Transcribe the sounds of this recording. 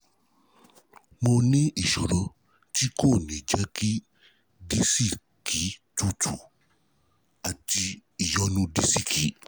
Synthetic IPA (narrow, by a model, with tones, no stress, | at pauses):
mo˧nĩ˦i˦˨ʃɔ˨ɾɔ˨ | ti˦ko˦˨nĩ˨d͡ʒɛ˦ki˦ | di˦si˦˨ | ki˨˦tu˦˨tʰu˨ | a˨ti˧i˨jɔ˨˦nũ˦di˦si˦˨kʰi˨˦